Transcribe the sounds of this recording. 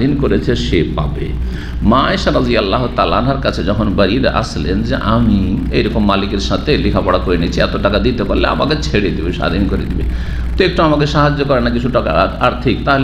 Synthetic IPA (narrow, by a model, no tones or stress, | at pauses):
inkoɾet͡ɕʰeʃepabḛ | maeʃaɾɔzijalːaɦot̪aːlaanaɾkat͡ɕʰed͡ʑɔkʰonbaɾid̪ḛʔa̰slḛnd͡ʑeʔamiejɾɔkomːalikeɾʃat̪ʰelikʰapɔɽakoɾenit͡ɕʰiɛ̰t̪oʈakad̪it̪epaɾlea̰ma̰ket͡ɕʰeɽed̪ibeʃa̰d̪ʱinkoɾḛd̪ibḛ | t̪ek̚ʈoamak̬eʃaɦad͡ʑːokɔɾenakit͡ɕʰuʈaka̰aɾt̪ʰikt̪aɦol